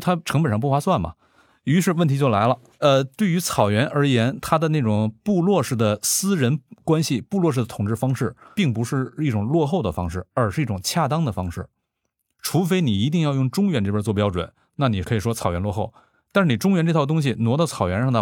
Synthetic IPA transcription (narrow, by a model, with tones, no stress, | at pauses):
t̪ʰa˥ʈ͡ʂʰɤ˧˥ŋpə˨˩nʂɑ˥˧pu˥˩fwa˥swa˥˩nmɐ̰˩ | y˧˥ʂ̬ɻ̩˥˧wə˥˩nt̪ʰi˧˥t͡ɕo˥˩ʊla˧˥ɪlə˧ | ə˧t̪we˥˩ɪy˧˥t͡sʰɑ˨˩ʊɥɛ˧˥nʔə˞˧˥jɛ˧˥nt̪ʰa˥d̪ə˨na˥˩ʈ͡ʂʊ˨˩ŋpu˥˧lwɔ˥˧ʂɻ̩˥˩d̪ə˩sɹ̩˥ɻə˧˥nkwa˥nɕi˨pu˥˧lwɔ˥˧ʂɻ̩˥˩d̪ə˩t̪ʰʊ˨˩ŋʈ͡ʂɻ̩˥˩fɑ˥ŋʂɻ̩˥˩pi˥˩ŋpu˧˥ʂɻ̩˥˧i˥˩ʈ͡ʂʊ˨˩ŋlwɔ˥˧xo˥˩ʊd̪ə˩fɑ˥ŋʂɻ̩˥˩ə˞˨˧˥ʂɻ̩˥˧i˥˩ʈ͡ʂʊ˨˩ŋt͡ɕʰja˥˧t̪ɑ˥ŋd̪ə˨fɑ˥ŋʂɻ̩˥˩ | ʈ͡ʂʰu˧˥fe˥ɪni˨˩i˧˥t̪̬i˥˧ŋjɑ˥˧ʊjʊ˥˩ŋʈ͡ʂʊ˥ŋɥɛ˧˥nʈ͡ʂɤ˥˩bə˧˥t͡swɔ˥˩p̬jɑ˥ʊʈ͡ʂwə̰˨˩˦n | na˥˩ni˨˩kʰɤ˧˥i˨˩ʂwɔ˥t͡sʰɑ˨˩ʊɥɛ˧˥nlwɔ˥˧xo˥˩ʊ | t̪a˥˧ʂ̩ɻ̩˥˩ni˨˩ʈ͡ʂʊ˥ŋɥɛ˧˥nʈ͡ʂɤ˥˧t̪ʰt̪ʊ˥ŋɕ̬i˨nwɔ˧˥d̪ɑ˥˩t͡sʰɑ˨˩ʊɥɛ˧˥nʂɑ˥˧ŋt̪ʰ